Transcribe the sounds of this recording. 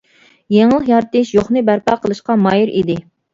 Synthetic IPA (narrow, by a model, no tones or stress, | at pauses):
jeŋlˠəχjɑɾt̪ɪʃjoχnɨbæɾpɑqʰəlˠɨʃqɑmɑjiɾḭd̪ɪ